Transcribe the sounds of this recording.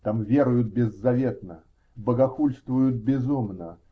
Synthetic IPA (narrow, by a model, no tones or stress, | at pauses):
t̪amvʲe̞ɾʊjʊt̪̚bʲɪzːɐvʲet̪nə | bəɡɐxulʲst̪vʊjʊt̪̚bʲɪzumnə